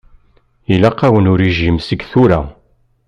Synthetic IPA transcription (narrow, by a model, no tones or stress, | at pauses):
ilaqːawənʊɾiʒimsəɡθuɾæ